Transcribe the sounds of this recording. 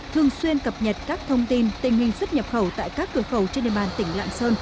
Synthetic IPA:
t̪ʰɨ˨˩əŋswi˧ənkə˨˩p̚ɲə˨˩t̚kaː˦˥k̚t̪ʰə˧wŋ͡mt̪i˧nt̪ï˨˩ŋ̟hï˨˩ŋ̟swə˦˥t̚ɲə˨˩p̚xə˧˩wt̪a̰ː˧˨jkaː˦˥k̚kɨ˨˧˩əxə˧˩wt͡ɕnɗḛ˨˧˨ɓaː˨˩nt̪ï˧˩˦ŋ̟la̰ː˧˨nsəː˧n

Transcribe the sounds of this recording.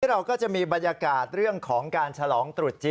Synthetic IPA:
ɾa˧wkɔː˥˩t͡ɕa˨˩ʔmiː˧ba˧nja˧kaː˨˩t̪̚ɾɯ˥˩əŋkʰɔː˩˦ŋkaː˧nt͡ɕʰa˧lɔː˩˦ŋt̪ɾu˨˩t̪̚t͡ɕi˧

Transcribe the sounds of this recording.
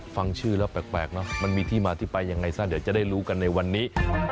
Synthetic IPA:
fa˧ŋt͡ɕʰɯː˥˩lɛː˦˥pɛː˨˩k̚pɛː˨˩k̚nɔ˦˥ma˧nmiː˧t̪ʰiː˥˩maː˧t̪ʰiː˥˩pa˧jːa˧ŋːa˧jsaː˥˩d̪t͡ɕa˨˩da˥˩jɾuː˦˥ka˧nːa˧jwa˧nːiː˦˥

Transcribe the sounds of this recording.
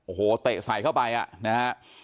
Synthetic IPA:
ʔo˨˩oː˨˩˦t̪e˨˩sa˨˩˦jkʰa˥˩wpa˧jʔa̰˨˩ʔna˦˥a˦˥ʔ

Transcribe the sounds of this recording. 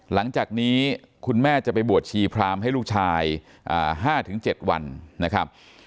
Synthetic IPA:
la˩˦ŋt͡ɕaː˨˩k̚niː˦˥ | kʰu˧nmɛː˥˩t͡ɕa˨˩pa˧jbu˨˩ət̪̚t͡ɕʰiː˧pʰɾaː˧mɦa˥˩jlu˥˩k̚t͡ɕʰaː˧j | ʔa̰ː˨˩ɦaː˥˩t̪ʰɯ˩˦ŋt͡ɕe˨˩t̪̚wa̰˧nna˦˥kʰɾa˦˥p̚

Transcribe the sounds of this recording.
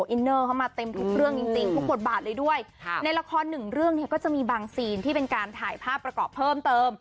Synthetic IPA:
ʔi˧nːɤː˥˩kʰa˥˩wmaː˧t̪e˧mt̪ʰu˦˥k̚ɾɯ˥˩əŋt͡ɕi˧ŋt͡ɕi˧ŋt̪ʰu˦˥k̚bo˨˩t̪̚baː˨˩t̪̚lɤː˧jdu˥˩əjna˧jla˧kʰɔː˧nːɯ˨˩ŋɾɯ˥˩əŋni˥˩ɐkɔː˥˩t͡ɕa˨˩ʔmiː˧baː˧ŋsiː˧nt̪ʰiː˥˩pe˧nkaː˧nt̪ʰaː˨˩˦jpʰaː˥˩p̚ːɾa˧kɔː˨˩pʰːɤː˥˩mt̪ɤː˧m

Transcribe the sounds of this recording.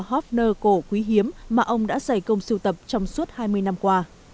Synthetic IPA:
hɔ˦˥p̚nəː˧ko˧˩kwi˨˦ɦi˨˦əmːaː˨˩ʔə˧wŋ͡mɗa̰ː˧˥za˧˩jkə˧wŋ͡msɨ˧wt̪ə˨˩p̚t͡ɕɔ˧wŋ͡msu˦˥ət̚haː˧jmɨ˧əjna˧mkwaː˧

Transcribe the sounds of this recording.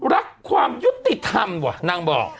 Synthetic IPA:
ɾa˦˥kʰːwaː˧mju˦˥t̪ːi˨˩t̪ʰa˧mbɔ˨˩na˧ŋbɔ̰ː˨˩k̚

